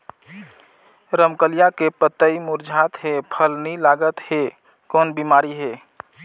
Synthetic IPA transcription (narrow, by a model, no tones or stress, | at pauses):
ɾəmkəlijakepət̪ːəimuɾd͡ʒʱat̪ɦepʰəlnilaɡət̪he | kɔnbimaɾiɦe